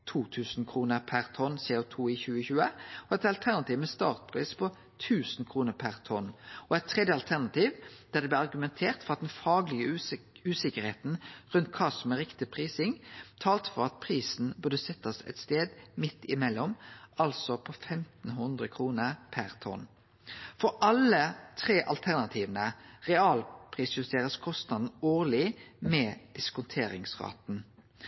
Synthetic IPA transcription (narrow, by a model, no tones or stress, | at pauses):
t̪ʰuːt̪ʰʉːsn̩kʰʁuːnəʁpʰæʁt̪ʰɔnseːʊt̪ʰuːɪçʉːəçʉːəɔɛt̪ɑlt̪ʰæʁnɑt̪iːʋmɛst̪ɑ̰ːʁt̪̚pʰʁiːspʰɔ | t̪ʰʉːsn̩kʰʁuːnəʁpʰæʁt̪ʰɔnɔɛt̪ʰːʁɛd̪jəɑlt̪ʰæʁnɑt̪iːʋd̪̥æʁd̪ɛb̪lɪɑʁɡʉmɛnt̪ʰeːʁt̪fɔʁɑt̪̚d̪ɛnfɑːɡlɪɡəʉːsɪkəʁheːt̪n̩ʁʉnt̪̚kʰɑːsɔmɛʁɪkt̪ɪpʰʁiːsɪŋt̪ʰɑːlt̪fɔʁɑt̪̚pʰɾiːsn̩bʉʁd̪əsɛt̪ːɑsɛ̰t̪st̪eːd̪mɪt̪ːɪmɛlːɔmɑlsɔpʰɔfɛmt̪n̩ɦʉnd̪ʁəkʰʁuːnəʁpʰæʁt̪ʰɔ̰n | fɔɾʔɑlət̪ʰʁeːʔɑlt̪ʰæʁnɑt̪ʰiːʋnəʁɛɑːlpʰʁiːsjʉst̪ʰeːʁəskʰɔst̪nɑd̪n̩oːʁlɪmɛːd̪̥ɪskʊnt̪ʰeːɾɪŋsʁɑ̰ːt̪n̩